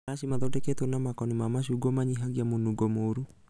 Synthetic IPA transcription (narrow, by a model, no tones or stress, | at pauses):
aʃimaðɔdɛkɛtonamakɔnimamaʃuːɡomaɲiɦaɣiamonuɡɔmoɾu